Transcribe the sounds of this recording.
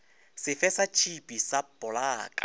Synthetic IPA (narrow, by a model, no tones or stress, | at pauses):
sɪfɛsat͡ʃʰipʼisapʼɔlaːkʼa̰